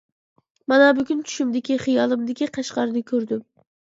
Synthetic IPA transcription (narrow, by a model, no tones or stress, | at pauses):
mɑnɑbʊɡʲynt͡ʃʰy̥ʃymd̪ɪkʲiχɨjɑlˠɨmd̪ɪkʲiqʰɑʃqɑɾɨd̪ɨkʲʰøɾd̪ɪm